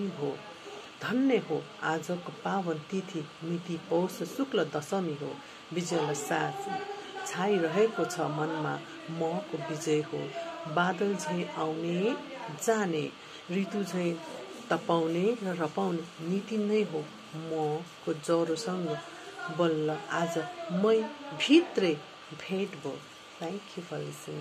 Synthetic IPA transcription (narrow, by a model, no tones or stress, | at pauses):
iɦo | d̪ʱʌnːeɦoad͡zʌkopabʌnt̪it̪ʰimit̪ipʌwsʌsuklʌd̪ʌsʌmiɦo̰ | bid͡zʌjlasat̪ʰt͡sʰajɾʌɦekot͡sʰʌmʌnma̰ | mʌkobid͡zʌjɦo̰bad̪ʌld͡zʱʌĩawned͡zane | rit̪ud͡zʱʌj̃t̪ʌpawnerʌrʌpawnenit̪inʌjɦo | mʌkod͡zʌɾosʌŋɡʌ | bʌlːʌad͡zʌmʌjbʱit̪rʌj | bʱeʈbʱo̰ | t̪ʰaŋkjubʰʌlisin